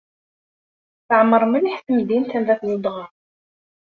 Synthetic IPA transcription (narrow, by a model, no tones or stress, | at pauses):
θəʕəmːəɾˤməniħθəmd̪int̪ænvæθnud̪ˤʁɑ